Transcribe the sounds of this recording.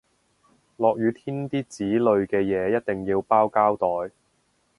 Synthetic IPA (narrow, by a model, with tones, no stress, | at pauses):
lɔː˨k̚jyː˨˧t̪ʰiː˥nt̪iː˥t͡siː˨˥lɵ˨˧ɥkɛː˧jɛː˨˧jɐ˥t̚t̪e˨ŋjiː˧wpaː˥wkaː˥wt̪ɔː˨j